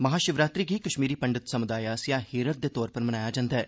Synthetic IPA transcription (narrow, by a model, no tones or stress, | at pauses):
mɐɦaːʃɪʋɾaːt̪ɾiːɡiːkəʃmiːɾiːpəɳɖət̪səmʊd̪aːjaːsijaːheːɾət̪̚d̪eːt̪ɔːɾpəɾmənaːjaːd͡ʒãːnd̪aɛː